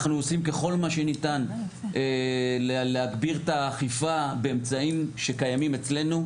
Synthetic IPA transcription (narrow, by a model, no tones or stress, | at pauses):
χnuosimke̞χo̞lmaʃe̞nitan | eleleaɡbiʁtaːχifabeːmt͡saimʃe̞kajamimet͡sle̞nu